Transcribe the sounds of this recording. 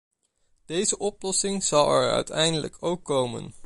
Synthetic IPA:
d̥ejzəʔɔplɔsɪŋz̥ɑlˠɛɹœ̰ɥtʰɛjndələ̰kʰowkːowmə̰n

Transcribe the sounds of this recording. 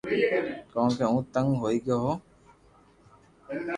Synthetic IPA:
kɔõkeũːt̪ə̃ŋɡɦoːiɡeɦoː

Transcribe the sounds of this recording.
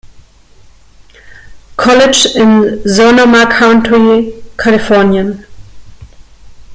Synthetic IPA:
kʰɔlɪd͡ʒɪ̃nzonəmakʰãʊ̃ntʰɹikʰalɪfɔɐnjə̃n

